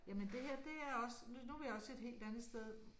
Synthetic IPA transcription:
jæmend̥e̝heɐ̰d̥e̝æɐɒ̽sənnuʋejɑɒ̽seed̥ɦe̝̰ːld̥ænð̩ˠsd̥eð̞ˠ

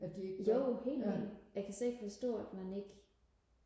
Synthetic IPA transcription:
æd̥ijoʊhe̝̰ːlḭnjɑ̈ɪkʰæsɒeɡ̥fɒ̽sd̥ɔ̰ːæd̥mæne̝ɡ̥

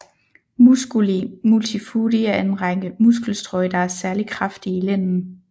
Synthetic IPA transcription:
musɡ̥imult͡sʰifuːɾiæe̝nʁaŋ̰əmusɡ̥l̩sd̥ʁɔɪd̥ɑ̈æɐsæɐlikʰʁafd̥iilen̰n̩

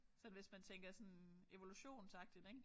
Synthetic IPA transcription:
sɒ̽nʋe̝smænt͡sʰeŋɡ̥ɐsɒ̽ne̝ʋoluɕo̝̰ːnsɑ̈ɡ̥̚d̥id̥eɡ̥

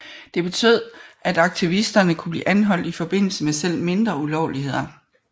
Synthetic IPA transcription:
d̥e̝b̥e̝t͡sʰyð̰ˠʔæd̥ɑ̈ɡ̥̚t͡sʰiʋisd̥ɐnəkʰub̥lḭːʔænɦɒ̽l̰d̥ifɒ̽b̥e̝n̰l̩səmesel̰me̝nd̥ʁɐulɒʊlihe̝ð̞̰ˠɐ

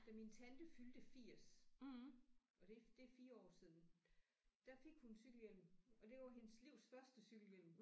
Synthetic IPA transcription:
d̥æmint͡sʰænd̥əfyld̥əfiɐ̰s | ʔɒ̽d̥e̝d̥e̝æfiːɐɒ̰ːsið̞ˠn̩ | d̥æfe̝ɡ̥hunsyɡ̥l̩jel̰mɒ̽d̥e̝ʋɑ̈ɦe̝nəsliʊ̰sfɶɐsd̥əsyɡ̥l̩jel̰m

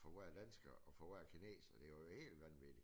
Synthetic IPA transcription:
fɒʋæɐ̰d̥ænsɡ̥ɐʔɒ̽fɒʋæɐ̰kʰine̝̰ːsɐd̥e̝johe̝̰ːld̥ʋænʋid̥i

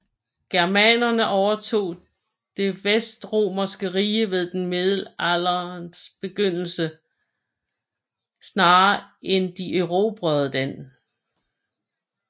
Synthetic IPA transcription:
ɡ̥ɛɐmænɐnəʔɒʊɐt͡sʰo̝̰ː | d̥e̝ʋesd̥ʁo̝̰ːmɐsɡ̥əʁiːəʋe̝ðˠd̥enmeðˠl̩ælɐnsb̥e̝ɡ̥øn̰l̩sə | snɑ̈ːʔend̥iʔeʁo̝ːb̥ʁœð̩ˠd̥æn̰

